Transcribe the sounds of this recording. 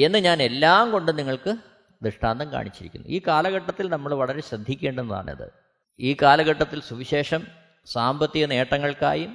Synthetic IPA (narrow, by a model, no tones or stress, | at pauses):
e̞nːɨɲaːne̞lːaːmko̞ɳɖɨniŋːɐɭkɨ | d̪ɨʂʈaːnd̪ɐmka̰ːɳit͡ɕːiɾikʲːṵnːṵʔiːkaːlɐɣɐʈːɐt̪ːilnɐmːɐɭʋɐɭɐɾe̞ɕɾɐd̪ʱːikʲːe̞ːɳɖenːɐða̰ːɳɐ̰ðɨ̰ | iːkaːlɐɣɐʈːɐt̪ːilsuʋiɕe̞ːʂɐm | saːmbɐt̪ːiɣɐne̞ːʈːɐŋːɐɭka̰ːjum